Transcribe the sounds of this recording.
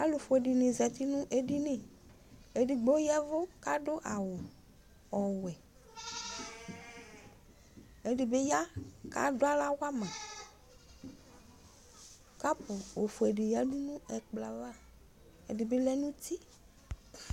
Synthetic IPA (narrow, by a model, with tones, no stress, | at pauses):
a˦lʊ˨fʊ˨e˨di˨nɪ̃˨zɛ˨t̪i˦nʊ̃˦ʔe˦di˦nɪ̃˨ | e˨di˨ɡ͡bo˦jɛ˦vʊ˦ka˦dʊ˦ʔa˨wʊ˨ | ɔ˨wɛ˨ | e˨dɪ˨be˦ja˦ka̰˦dʊ˦a˦la˦wa˦mã˨ | ka˦pʊ˨o˨fʊ˨e˨ɖɪ˨ja˦nu˦nũ˦ɛ˨k͡pla˨va˦˨ | ḛ˨dɪ˨be˦lɛ˦nũ˦t̪i˦